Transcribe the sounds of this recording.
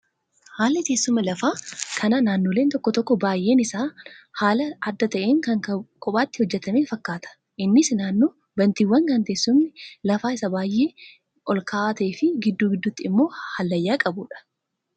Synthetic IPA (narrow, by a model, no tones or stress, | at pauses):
haːlːɪt̪e̞ːsːʊmɐlɐfaːkʰɐnɐnaːnːoːleːnt̪ɔkːɔt̪ɔkːɔbaːjʔe̞ːnɪsaːhaːlɐɐd̪ːɐt̪ɐʔeːŋkɐŋkʼɔpʼaːt̪ːɪhɔd͡ʒːɛt̪ɐmeːfɐkːaːt̪ʰɐ̥ | ʔɪnːɪsnaːnːoː | bɐnt̪iwːɐŋkɐnt̪eːsːʊmnɪlɐfaːɪsɐbaːjʔːe̞ː | ɔlkʰɐʔaːt̪ɐefɪɡɪd̪ːuːɡɪd̪ːʊt̪ːɪɪmːo̞ːhɐlːɐjːaːkʼɐbuːᶑɐ̥